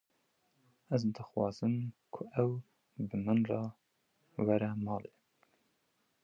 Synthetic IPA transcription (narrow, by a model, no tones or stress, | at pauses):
ɛzd̪ɨxwɑ̰ːzɨmkʰʊʔɛw | bɨmɨnrɑ | wæɾɛmɑːle